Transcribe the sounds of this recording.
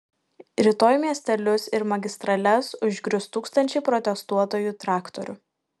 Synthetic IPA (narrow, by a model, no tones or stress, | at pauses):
ɾʲɪt̪oːjmʲiɛsʲt̪ʲɛlʲʊsɪɾmɐɡʲɪst̪ɾɐlʲɛsʊʒʲɡʲɾʲʊst̪uːkst̪ɐnʲt͡ʃʲɛɪpɾɔt̪ʲɛst̪uɔt̪oːjuːt̪ɾɑːkt̪ɔɾʲʊ̰